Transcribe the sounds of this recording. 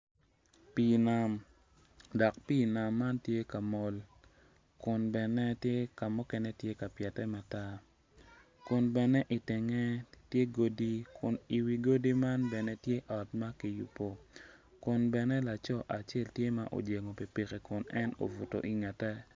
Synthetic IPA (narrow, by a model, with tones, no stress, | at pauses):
pi˨na˨m | dɔ˨kpiː˦˨na˨mːa˦ntje˦ka˨mɔ˦l | kʊ˨nbɛ˨nɛ˦tje˦ka˨mɔ˦kɛ˦nɛ˦tje˦ka˨pjɛ˨tɛ˦ma˨ta˦ | kʊ˨nbɛ˨nɛ˦ʔi˨tɪ˨ŋɛ˦tje˦ɡo˦di˦kʰʊ˨ni˨wi˨ɡo˦di˦ma˦nbɛ˨nɛ˦tje˦ʔɔ˨tma˦ki˨jṵ˨po˨ | kʊ˨nbɛ˨nɛ˦la˨t͡ʃɔ˦ʔa˨t͡ʃe˦ltje˦ma˦ʔo̰˨d͡ʒe˨ŋo˨pi˨pi˨ke˨kʊ˨nɛ˦no̰˨vu˨to̰˨ʔi˨ŋa˨tɛ˦